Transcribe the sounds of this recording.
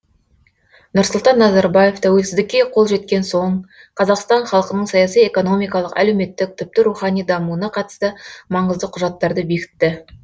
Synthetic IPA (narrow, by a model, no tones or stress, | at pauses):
nʊɾsʊlˠt̪ɑnːɑzɑɾbɑje̞ft̪ʰæwe̞lsɪzd̪ɪkʲːe̞qʰo̞lˠʒe̞t̪kʲe̞nso̞ɴ | qʰɑzɑqst̪ɑɴχɑlˠəqənəɴsɑjɑsije̞ko̞no̞mijkɑlˠəqæ̰le̞wme̞t̪ːɪk̚t̪ʰʏp̚t̪ɪɾuχɑnijd̪ɑmuənɑqʰɑt̪əst̪əmɑɴəzd̪əqʰʊʒɑt̪ːɑɾd̪əbe̞kʲɪ̥t̪ːɪ